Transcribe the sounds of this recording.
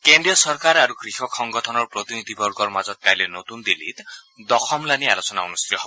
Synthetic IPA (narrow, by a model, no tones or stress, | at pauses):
kendɾijɔsɔɾkaɾaɾuɡɾixɔkʰɔŋɡɔtʰɔnɔɾpɾot̪inid̪ʱibʱɔɾɡɔɾmad͡ʒɔt̪̚kajlenot̪und̪ilːḭt̪ | d̪ɔxʰɔmlanialot͡ʃɔnaunust̪ɾit̪ɔɦɔb